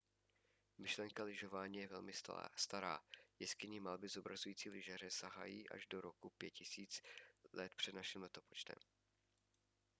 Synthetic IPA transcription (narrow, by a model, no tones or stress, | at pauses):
mɪʃlɛŋkalɪʒo̞vaːɲiːjɛvɛlmɪst̪aɾa̰ːjɛskɪɲiːmalbɪzobɾazujiːt͡siːlɪʒar̝ɛsaɦa̰jiːʔa̰ʒdoɾokupjɛt̪cɪsiːt͡slɛt̪pr̥ɛd̪naʃɪmlɛt̪o̞pot͡ʃt̪ɛ̰m